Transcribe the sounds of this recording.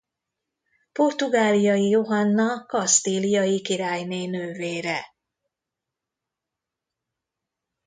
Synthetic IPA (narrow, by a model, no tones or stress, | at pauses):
po̞rt̪uɡaːlijɒjijo̞ɦɒnːɒkɒst̪iːlijɒjikiɾaːjneːnøːveːɾɛ